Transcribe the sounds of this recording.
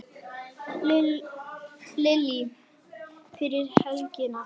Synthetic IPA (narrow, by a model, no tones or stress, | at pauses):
lɪli | fɪɾɪɾ̥hɛlcɪna